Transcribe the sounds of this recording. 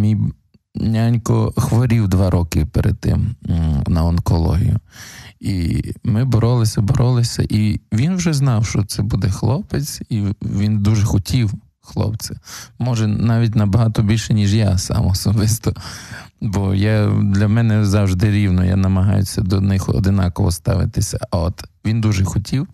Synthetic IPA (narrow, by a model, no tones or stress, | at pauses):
mʲij | nʲanʲkɔxʋɔɾʲiwd̪ʋɑɾɔkɪpɛɾḛd̪̚t̪ɪ̰mnɐɔnkɔlˠɔ̰ɦʲḭjʊimɪbɔɾɔlˠɪsʲɐbɔɾʔɔlˠɪsʲɐ̰ʔiʋʲinwʒɛznɑwʃt͡ʃɔt̪sɛbud̪ɛxlˠɔpet͡sʲiʋʲind̪uʒɛxɔtʲiw | xlˠɔ̰pt͡s̪ʲɪmɔʒɛnɑʋʲitʲnɐbɐɦɑt̪ɔbʲilʲʃɛnʲiʒjasɑ̰mɔːsɔbɪst̪ɔ | bɔjad̪lʲɐmɛnɛzɑwʒd̪ɪɾʲiwnɔja̰nɐmɐɦɑjʊsʲɐd̪ɔnɪxɔ̰d̪ɪnɑkɔʋɔst̪ɑ̰ʋɪ̰t̪ɪsʲɐ̰ɐɔt̪ʋʲind̪uʒɛxɔtʲʰiw